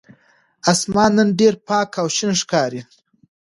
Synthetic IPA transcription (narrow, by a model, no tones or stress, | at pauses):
asmɑːnːənɖeɾpɑːkʰawʃinʂkɑːɾi